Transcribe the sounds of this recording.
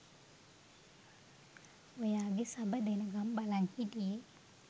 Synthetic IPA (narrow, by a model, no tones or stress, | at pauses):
wəjaɡisabadanəɡambalaŋkidi